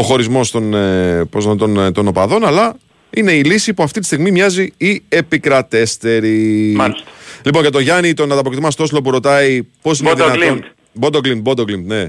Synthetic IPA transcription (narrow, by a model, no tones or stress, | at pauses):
o̞xo̞ɾizmo̞st̪o̞npozt̪ont̪o̞no̞pɐðo̞nɐlɐ | ine̞ilisipuɐft̪it̪i̥st̪iɣmimɲɐziie̞pikɾɐt̪e̞st̪e̞ɾimɐstlipo̞nɐt̪oʝɐnit̪o̞nɐnɐpokit̪imɐst̪ooslo̞p̬uɾo̞t̪ɐipo̞sineðnɐlin | bod̪oklimt̪̚bod̪oklimt̪ne̞